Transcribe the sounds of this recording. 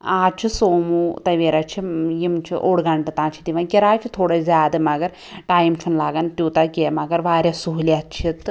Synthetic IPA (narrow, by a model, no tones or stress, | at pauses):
aːt͡ʃʰisoːmut̪ɐjʋeɾɐt͡ʃʰijimt͡ʃʰḭʔoːɽɡaɳʈɨt̪aːnt͡ʃʰit̪iʋɐnkʲɐɾaːt͡ʃʰit̪ʰoːɽɐzʲaːd̪ɨmɐɡɐɾ | ʈaːjmt͡ʃʰunlaːɡɐnt̪ʲuːt̪akemɐɡɐɾʋaːɾʲɐsuɦuliɐt͡ʃʰit̪